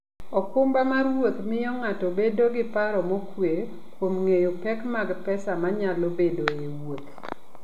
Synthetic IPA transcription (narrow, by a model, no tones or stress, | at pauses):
ɔkʊmbamaɾwot̪mɪɔŋatɔbedoɡɪpaɾɔmɔkwe | kwomŋejopɛkmaɡpɛsamaɲalobedoewwot̪